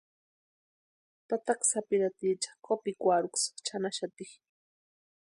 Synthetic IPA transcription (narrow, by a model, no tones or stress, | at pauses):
t̪at̪aksapiɾat̪it͡ʃḁχkopikʷaɾʊkst͡ʃʰanaʃat̪iχ